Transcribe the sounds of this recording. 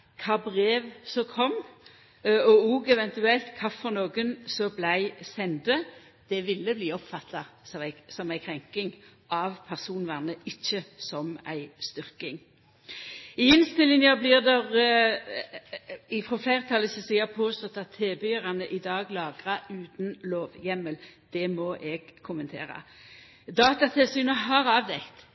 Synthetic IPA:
kʰɑːbʁeːʋsɔkʰɔm | ɔuːɡɛʋɛnt̪ʉɛlt̪kʰɑfɔʁnoːɡənsɔblæɪsɛnd̪ə | d̪̥ɛʋɪlːəbliːɔpfɑt̪ːɑɪsɔmæɪkʰʁɛŋkɪŋʔɑʋpʰæʁsuːnʋæʁnəɪçːəsɔmæ̰ɪst̪ʏʁkɪŋ | ɪɪnst̪əlɪnjəblɪːʁd̪ɛʁ | ɪfʁɔflæɪʁət̪ʰɑlːəsɔsiːəpʰoːst̪ɔt̪ːɑt̪ʰːeːbʏʁɑnəʔɪd̪ɑːɡlɑːɡʁɑʉːt̪nloːʋjɛməld̪̥ɛmɔʔɛɡkʰʊmənt̪ʰḛːʁɑ̰ | d̪ɑːt̪ɑt̪ʰɪlsyːnəɦɑʁɑːʋd̪ɛkt̪

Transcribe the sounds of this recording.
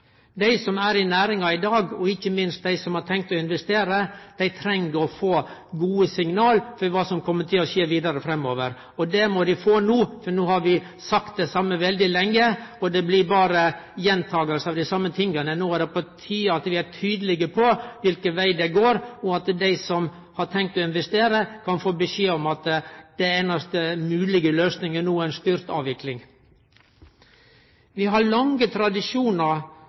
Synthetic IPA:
d̪æɪsɔmæɾɪnæːɾɪŋɑɪd̪ɑːɡɔɪçːəmɪnst̪̚d̪æɪsɔmhɑʈʰɛŋkt̪ɔɪnʋɛst̪eːɾəd̪̥æɪt̪ʰɾɛŋəɔfoːɡuːəsɪŋnɑːlfɔɾʋɑːsɔmkʰɔmːəʈ̪ʰɪlɔçeːʋiːd̪ɑɾəfɾɛmːoːʋəɾ | ɔd̪ɛmɔd̪ɪfoːnuːfɔɾnoːhɑɾʋɪ | sɑkt̪̚d̪ɛsɑmːəʋɛld̪ɪlɛŋːəɔd̪ɛblɪbɑːɾəjɛnt̪ʰɑːɡəlsɑʋd̪æɪsɑmːət̪ʰɪŋɡənənoːæɖɛpʰɔt̪ʰyːəɑt̪ʋɪæʈʰyːd̪əlɪɡəpʰɔʋɪlkəʋæɪd̪ɛɡoːɾɔɑt̪d̪æɪsɔm | hɑʈʰɛŋk̚t̪ɔɪnʋɛst̪eːɾəkʰɑnfoːbəʃeːɔmɑt̪d̪̥ɛeːnɑst̪əmʉːlɪɡəløːsnɪŋənuːæɪnst̪yɾt̪ɑ̰ːʋɪklɪŋ | ʋɪɦɑɾɭɑŋət̪ʰɾɑd̪ɪʂuːnəɾ

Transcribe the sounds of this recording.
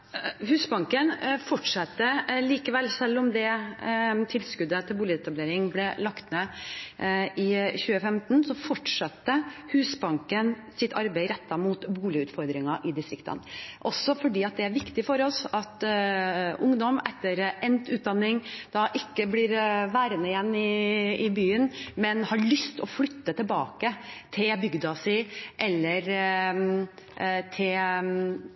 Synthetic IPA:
hʉːsbɑŋkənfɔʈʂɑt̪ːəliːkəʋɛlːsɛlːɔmd̪ɛ | t̪ʰɪlskʉd̪ət̪ʰɪlbuːlɪəɛt̪ɑbleːɾɪŋblɛlɑkt̪meː | ʔɪçʉːəfɛmt̪nsɔfɔʈʂɑt̪ːəhʉːsbɑŋkən | sɪt̪ʰɑɾbeɪɾɛt̪ːɑmuːt̪buːlɪʉːt̪fɔɾd̪ɾɪŋɑʔɪd̪ɪst̪ɾɪkt̪ʰə̰nʔɔsːɔfɔɖiːɑt̪̚d̪ɛæɾʋɪkt̪ɪfɔɾɔsɑt̪ | ʔʊŋd̪ɔmɛt̪ːəɾɛnt̪ʉːt̪̚d̪ɑnːɪŋd̪̥ɑʔɪkːəblɪːɾʋæːɾənəɪjɛnːɪɪbyːənmɛnhɑɭʏst̪ɔflʏt̪ːət̪ɪlbɑːkət̪ʰɪlbʏɡd̪ɑsɪʔɛlːəɾ | t̪ʰɪl

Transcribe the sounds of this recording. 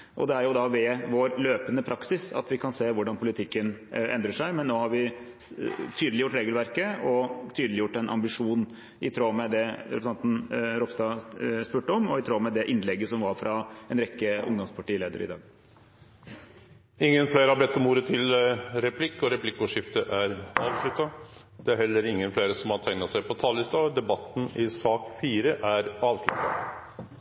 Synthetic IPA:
ʔɔ̰d̪ɛæɾjʊd̪ɑʋɛʋoːɾløːpənəpʰɾɑksɪsɑ̰t̪ʋɪkʰɑnseːʋʊɖɑnpʰʊlɪt̪ʰɪkːənʔɛ̰nd̪ɾəʂæɪmɛnːoːhɑɾʋɪ | t̪ʰyːd̪əlɪjʊʈːɾeːɡəlʋæɾkəɔt̪ʰyːd̪əlɪjʊʈːɛnʔɑ̰mbɪʂuːn | ɪt̪ʰɾoːmɛd̪ɛɾɛpɾəsɑnt̪n̩ɾɔpst̪ɑːspʉːʈəɔmɔɪt̪ʰɾoːmɛd̪ɛʔɪnlɛɡːəsɔmʋɑɾfɾʔɑɛnɾɛkːəʔʊŋd̪ɔmspʰɑʈiːleːd̪ə̰ɾɪ̰d̪ɑ̰ːɡ | ɪŋːənfleːɾəhɑbɛt̪ːɔmuːɾət̪ʰɪlɾɛpʰlɪkːɔɾɛpʰlɪkːʊːʂɪft̪əʔæɾɑːʋslʉt̪ːɑ | d̪̥ɛæɾhɛlːəɾɪŋːənfleːɾəsɔmhɑt̪ʰæŋnɑsæɪpʰɔt̪ʰɑːlɪst̪ɑd̪ɛbɑt̪ːn̩ɪsɑːkfiːɾəʔæɾɑːʋslʉ̰t̪ːɑ̰

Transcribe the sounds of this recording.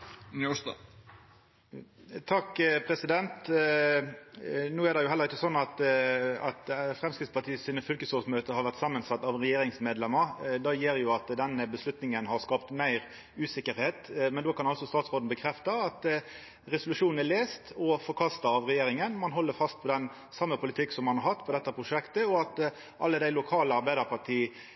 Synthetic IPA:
n̰ | t̪ʰɑkːpʰɾɛsɪd̪ɛnt̪ | nuːæd̪ɛjʊhɛlːəʁɪçːəsɔnːɑt̪ɑt̪fɾɛmskɾɪt̪spʰɑt̪ʰiːəsiːnəfʏlkəsɔːsmøːt̪əhɑɾʋæʁt̪sɑmːənsɑt̪ːɑʋɾɛjeːɾɪŋsmeːd̪lɛmːəɾd̪ɑːjeːɾjʊɑt̪d̪ɛnːəbəslʉt̪nɪŋənhɑɾskɑːpt̪mæɪɾ | ʉːsɪkːəɾheːt̪mɛnd̪oːkʰɑnɑlsɔst̪ɑːt̪sʁoːd̪n̩bəkʰɾɛft̪ɑɑt̪ | ɾɛsʊlʉʂuːn̩ɛleːst̪ɔfɔɾkʰɑst̪ɑɑʋʁɛjeːɾɪŋənmɑnɦɔlːəɾfɑst̪̚pʰɔd̪ɛn | sɑmːəpʰʊlɪt̪ʰɪkːsɔmːɑnhɑɾɦɑt̪ːpʰɔd̪ɛt̪ːəpʰɾʊʂɛkt̪əɔɑt̪ | ʔɑ̰lːəd̪æɪlʊkʰɑːləɑɾbæɪd̪əɾpʰɑɾʈʰiːə

